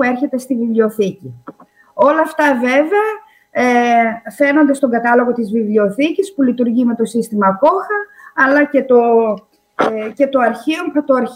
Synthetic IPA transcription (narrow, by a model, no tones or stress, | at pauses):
ue̞ɾçe̞t̪e̞st̪ivivlioθici | o̞lɐːft̪ɐve̞veɐ | fe̞no̞nd̪ɐst̪o̞ŋɡɐt̪ɐlo̞ɣo̞t̪izvivlio̞θicispulit̪uɾʝime̞t̪o̞sist̪imɐko̞xɐɐlɐce̞t̪o̞ | ce̞t̪o̞ɐɾçiot̪oɐɾ